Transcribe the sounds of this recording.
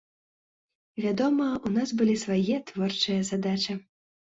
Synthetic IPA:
vʲad̪ɔmɐunasbɨlʲisvajɛt̪vɔrt͡ʂɨjɐzad̪at͡ʃɐ

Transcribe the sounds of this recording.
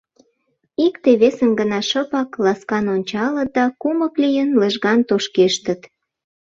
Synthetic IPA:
ikt̪eβesəmɡənɑʃəpɑklɑskɑnonʲt͡ɕɑlət̪̚d̪ɑkuməklijənləʒɣɑnt̪oʃkeʃt̪ət̪

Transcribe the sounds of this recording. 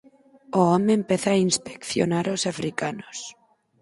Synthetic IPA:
oomempeθaːinspe̥kθjo̰naɾosafɾikanos

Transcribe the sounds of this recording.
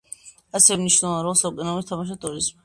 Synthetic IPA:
asɛvɛmniʃnɛlˠaɾɔsaɔkʼɛnamist̪ʰamaʃ̬at̪ʼuɾizmi

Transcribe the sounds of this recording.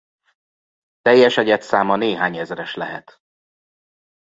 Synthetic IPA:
t̪ɛjːɛʃɛɟɛt̪saːmɒneːɦaːɲɛzrɛʃlɛɦɛ̰t̪

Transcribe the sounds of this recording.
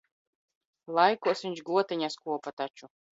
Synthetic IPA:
lˠajkuɔsvʲiɲʲt͡ʃɡuɔt̪ɛɲʲaskuɔpat̪at͡ʃu

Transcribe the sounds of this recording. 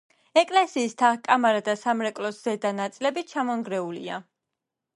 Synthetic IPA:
ɛkʼlɛsiːst̪ʰaχkʼamaɾad̪asamɾɛkʼlɔsz̥ɛd̪anat̪sʼilɛbit͡ʃʰamɔŋɡɾɛulḭa̰

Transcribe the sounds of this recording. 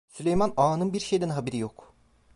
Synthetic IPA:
sylʲejmanaːnɯnbiɾʃejd̪ɛnɦabeɾijok

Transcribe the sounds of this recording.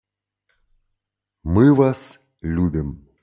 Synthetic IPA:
mɨvas | lʲubʲɪm

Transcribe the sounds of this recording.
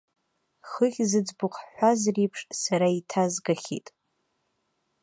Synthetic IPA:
χəχʲzɨd͡zbʊqʰʼħʷazripʰʂsaɾaitʰazɡaχʲḭtʼ

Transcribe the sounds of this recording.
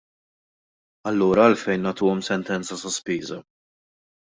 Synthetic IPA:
ɐlːuːɾɐːlfɛjnːɐːt̪uːɔmsɛnt̪ɛnt͡sɐsɔspiːzɐ

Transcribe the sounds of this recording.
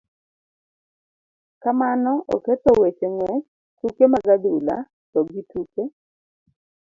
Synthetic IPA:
kamanɔʔɔ̰ket̪ɔwet͡ʃeŋwɛ | tukemaɡad̪ula̰ | t̪ɔɡituke

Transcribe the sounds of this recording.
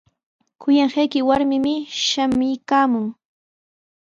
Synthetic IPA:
kʊjaŋɢajkɪwaɾmɪmɪʃamɪjkaːmʊŋ

